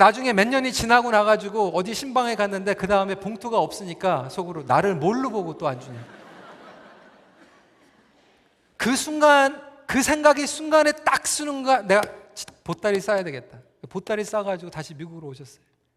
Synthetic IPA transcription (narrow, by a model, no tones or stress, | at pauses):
nad͡ʑuŋe̞me̞ɲːʌɲit͡ɕinaɡonaɣad͡ʑiɡoʌdiɕʰimbaŋe̞kanːɯnde̞kɯdaɯme̞poŋtʰoɡaʌp̚s͈ɯɲik͈asʰoɡɯɾonaɾɯɭmoɭːuboɡot͈oand͡ʑuɲa | kɯsʰunɡankɯsʰe̞ŋɡaɡisʰuŋɡanet͈ak̚s͈unɯnɡane̞ɡat͡ɕi̥pot͈aɾis͈ajadwe̞ɡe̞t̚t͈a | kpot͈aɾis͈aɡad͡ʑiɡotaɕʰimiɡuɡɯɾooɕʰʌs͈ʌjo